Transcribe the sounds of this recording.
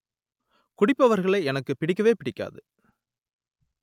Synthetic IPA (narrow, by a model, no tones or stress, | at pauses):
kʊɽɪpːɐʋɐɾɣɐɭɐɪɛnɐkːɯpɪɽɪkːɐʋeːpɪɽɪkːa̰ːðɯ